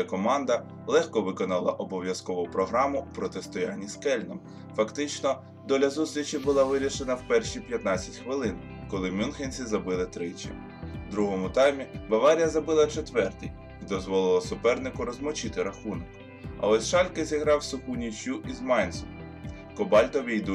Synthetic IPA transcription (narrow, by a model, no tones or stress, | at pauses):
ɛkɔmɑnd̪ɐ | lˠɛxkɔʋɪkɔnɐlˠɐ̰ʔɔbɔʋʲjɐskɔʋʊpɾɔɦɾɑmʊupɾɔt̪est̪ɔjanʲːiskɛlʲnɔm | fɐkt̪ɪt͡ʃnɔ | d̪ɔlʲɐzust̪ʲɾʲit͡ʃibʊlˠɑʋɪɾʲiʃenɐwpɛrʃipʲjɐt̪nɑt͡sʲɐtʲxʋɪlˠɪn | kɔlˠɪmʲunxenʲt͡sʲizɐbɪlˠɪt̪ɾɪt͡ʃʲɐ̰ | d̪ɾuɦɔmʊt̪ɑjmʲibɐʋɑɾʲijɐzɐbɪlˠɐt͡ʃet̪ʋɛrt̪ʲḭj | id̪ɔzʋɔlˠɪlˠɐsʊpɛrnɪkʊɾɔzmɔt͡ʃɪt̪ɪɾɐxunɔk | ɐ̰ɔsʲʃɑlʲkɪzʲiɦɾɑwsʊxunʲit͡ʃʲjuʔizmɑjnʲsʊ | kɔbɑlʲt̪ɔʋʲijd̪u